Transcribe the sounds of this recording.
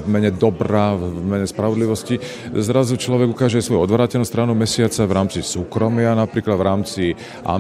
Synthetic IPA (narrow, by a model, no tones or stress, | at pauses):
vmɛɲɛd̪ɔbɾamɛɲɛspɾaʋɔd̪liʋɔsci | zɾazut͡ʃlɔʋɛɡukaːʒɛasʋɔjuɔd̪ʋɾaːcɛlnust̪ɾaːnumɛsɪat͡saʋɾaːmt͡sisuːkɾɔmɪanapɾiːklad̪vɾaːmt͡si | ʔa̰